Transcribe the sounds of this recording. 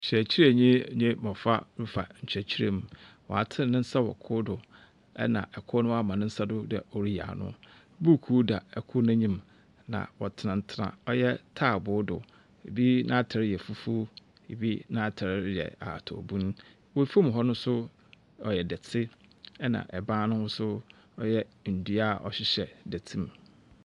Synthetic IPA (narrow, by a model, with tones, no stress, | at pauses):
ɲ̩˨t͡ɕʰɾæ˨t͡ɕʰi˦ɾɲĩ˦˨ɲᶣẽ˦mɔ̃˨fa˦ɾu˦fa˨ɲ̩˨t͡ɕʰᶣæ˨t͡ɕʰi˦ɾe˨mũ˨wɔ̰˨a˨tʰɪ̃˦˨nɪ̃˦n̩˦sa˦wɔ̰˨kʰʊ˦dʊ˨ | ɛ̰˦nã̰˨ʔɛ˨kʰʊ˦nʊ̃˦a˦˨mã˨nɪ̃˦n̩˦sa˦dʊ˦dɛ̰˨ɔ˨ɾi˦ja̰ː˨nʊ̰̃˦ | bu˦˨kʰuː˦da˨ɛ˨kʰʊ˦nã˦ɲĩ˦m | nã̰˨wɔ˨tʰɪ˨nã˨n̩˦tʰɪ˦nã̰˨ɔ˦jɛ˦tʰaː˦˨bʊ˦dʊ̰˨ | e˨bi˦nʔã˦tʰɾɪ˦jɛ˨fu˦fu˦ | ḛ˨bi˦nã˦tʰɪ˨ɾɪ˦jɛ̰˨a̰˨tʰɔ̰˨bũ˦n˦ | wɔ˦˨fo˦m˨ɦɔ˦nʊ̃˦sʊ˦ | ɔ˨jɛ˨dɛ˨tʰɪ˦ɛ˦nã̰˨ʔɛ˨bãː˦nʊ̃˦hʊ˦sʊ˦ | ɔ˦jɛ˦n̩˨du˦a˦˨ʔɔ̰˨ɕɪ˦ɕɛ˨dɛ˨tʰĩ˦m